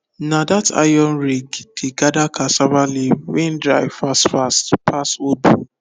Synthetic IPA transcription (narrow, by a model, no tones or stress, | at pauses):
nadatʰa̰jɔ̃nɾiɡdeɡadakʰasavalewɛ̃n̩dɾaɪvfastfastpʰasobu